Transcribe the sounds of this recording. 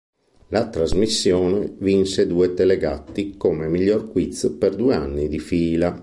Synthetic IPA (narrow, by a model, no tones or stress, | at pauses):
lat̪ɾazmisːjɔːnɛvinsed̪uːɛt̪ɛlɛɡa̰t̪ːikomɛmiʎːɔrkwit̪speɾd̪uɛa̰nːid̪ifiːla